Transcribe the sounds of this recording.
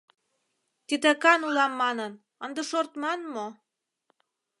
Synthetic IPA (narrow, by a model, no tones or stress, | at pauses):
t̪id̪ekɑnulɑmːɑnən | ənd̪əʃort̪mɑnmo